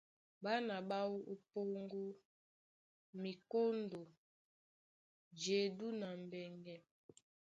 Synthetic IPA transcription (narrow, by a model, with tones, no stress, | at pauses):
ba˦na˨ba˦wu˦ʔo˦po˦ŋɡo˦ | mi˨ko˦ndo˨ | d͡ʒe˨du˦na˨m˨bɛ˨ŋɡɛ˦